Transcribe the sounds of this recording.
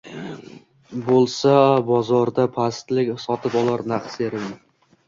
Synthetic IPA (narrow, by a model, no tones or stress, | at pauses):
bolˠsabɒzɒɾd̪apʰast̪lɪkʲsɒt̪ʰɪpɒlˠaɾnaqseɾɪl